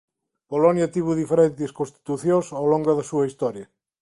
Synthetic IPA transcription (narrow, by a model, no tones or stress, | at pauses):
polɔnjat̪iβuðifeɾent̪eskonst̪i̥t̪uθjõsowloŋɡɐðɐsuɐist̪ɔɾjɐ